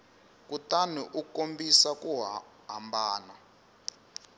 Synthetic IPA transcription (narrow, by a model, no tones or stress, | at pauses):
kʼutanɛʔukombisakuɦ | ɦambaːna